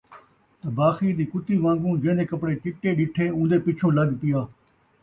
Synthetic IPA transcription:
t̪əbaːxiːd̪iːkʊt̪iːʋãːŋɡũːd͡ʒẽːd̪eːkəpɽeːt̪ɪʈːeːɗɪʈʰeːũːnd̪eːpɪt͡ʃʰõːləɡpɪjaː

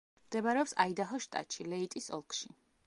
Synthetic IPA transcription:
md̪ɛbaɾɛɔpsaid̪aɦɔʃt̪ʼa̰tʃʰilɛit̪ʼisɔ̰lˠkʰʼʃi

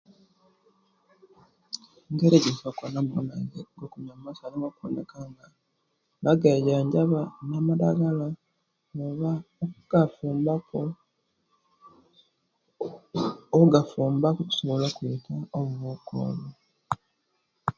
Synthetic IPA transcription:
ŋɡeɾeɟifakonamuonaɟeɡokuɲamumasaliŋɡokunḛkaŋɡa | βaɡajaɲɟaβanamadaɡala | oβaokuɡ̥afuːmbako | ouɡafuːmbakucu̥soβolokuitʰaoβuβuko̰βo

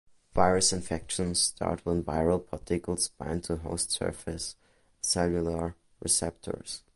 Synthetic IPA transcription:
vaɪɹɨsɪ̃ɱfɛkʃə̃nsstʰɑ̰ɹt̚ʰwə̃nvaɪɹəlˠpʰɔtʰɪkl̩ˠsb̥ã̰ɪ̃ntʰuɦoʊstsɜ̰˞fɪs | sɛlˠjulˠə˞ | ɹɪ̰sɛp̚tʰə̰˞s

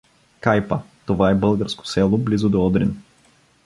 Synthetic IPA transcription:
kajpət̪ovaɛbɤlˠɡəɾsko̥sɛlˠoblizʊd̪oɔd̪ɾḭn

